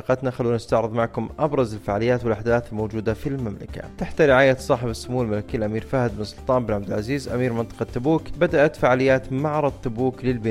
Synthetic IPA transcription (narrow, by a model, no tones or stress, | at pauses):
qɑt̪naxalːuːnɪst̪aʕɾɨðˤmaʕkʊmʔabɾˤɑzɪlfaʕalɪjːaːt̪wɪlʔaħd̪aːθɪlmoːd͡ʒuːd̪afilmamla̰ka̰t̪aħt̪aɾɪʕaːjasˤɑːħɪbasːʊmuːalmalakiːlʔamiːɾfaːhɪd̪bɪnsˤʊlt̪ˤɑːnmbɪnʕab̚d̪ɪlʕaziːzʔamiːɾmɪnt̪ˤɑ̥qɑt̪ːʊbuːkbad̪aʔat̪faʕaːlɪjːaːt̪maʕɾˤɑd̪t̪ːʊbuːklɪlbɪ